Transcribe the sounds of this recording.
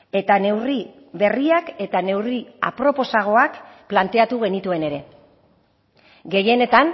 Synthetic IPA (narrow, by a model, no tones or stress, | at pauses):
e̞t̪ane̞wri | βe̞riake̞t̪ane̞wria̰pɾo̞po̞saɣ̞o̞akplant̪e̞at̪uɣ̞e̞nit̪ue̞ne̞ɾe̞ | ɡe̞je̞ne̞t̪an